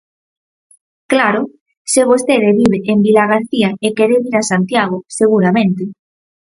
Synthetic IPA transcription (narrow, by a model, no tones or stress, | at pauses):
klaɾo | seβost̪eðeβiβeʔembilaɣ̞aɾθiaekeɾeβiɾasant̪jaɣ̞oseɣ̞uɾamẽnt̪e